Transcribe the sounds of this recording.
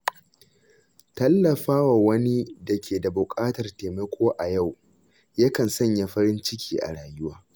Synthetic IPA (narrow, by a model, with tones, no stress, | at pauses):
tɐ˦lːɐ˨ɸaː˦wa˨wɐ˦ni˦dɐ˨kʲʰeː˨da˨bʊ˨kʼaː˦tɐ˨rteː˨mɐ˦kʷʰoː˦ʔa˨ja˦˨w | jɐ˦kɐ˨nsɐ˦ɲja˦ɸɐ˦ɾɪ˦nt͡ʃɪ˦kʲiː˦ʔa̰˨ɽaː˨jʊ˦waː˦